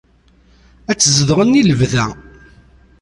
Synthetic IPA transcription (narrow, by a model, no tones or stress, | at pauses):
æt͡sːzəðʁənːiləvðæ